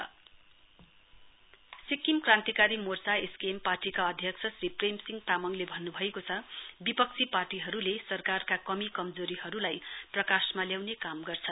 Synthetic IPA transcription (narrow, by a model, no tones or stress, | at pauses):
sikimkrãnt̪ikaɾimort͡saeskemparʈikaʌd̪ʱjʌkt͡sʰʌsriprejmsiŋɡt̪amʌŋlebʱʌnːubʱʌekot͡sʰʌbipʌk̚t͡sʰiparʈiɦʌɾulesʌrkarkakʌmikʌmd͡zoɾiɦʌɾulajprʌkasmaljawnekamɡʌrt͡sʰʌn